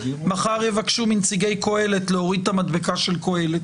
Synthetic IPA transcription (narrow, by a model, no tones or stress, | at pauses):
maχaʁjevakʃumint͡siɡe̞jko̞e̞let̪leoʁid̪tamad̪bekaʃe̞lko̞e̞let̪